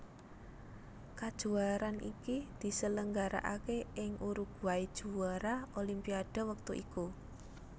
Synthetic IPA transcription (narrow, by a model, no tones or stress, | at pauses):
kad̥ʒ̥ṳaɾanʔḭkid̪̥i̤sələŋɡaɾa̰ʔa̰keʔɪŋʔuɾuɡ̥ṳaid̥ʒ̥uaɾaolimpiaɖ̥a̤wək̚t̪uʔiku